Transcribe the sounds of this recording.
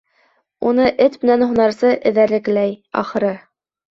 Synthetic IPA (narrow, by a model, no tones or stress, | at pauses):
unɤʔɘt̪mɘ̆nænhunɑɾsɤʔɘ̆ðæɾlɘ̆klæjɑ̰χɤ̆ɾɤ